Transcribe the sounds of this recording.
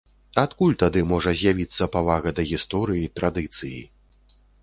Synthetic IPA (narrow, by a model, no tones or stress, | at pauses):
at̪kulʲt̪ad̪ɨmɔʐɐzʲjavʲit̪sːɐpavaɣɐd̪ɐɣʲist̪ɔɾɨjit̪ɾad̪ɨt̪sɨjḭ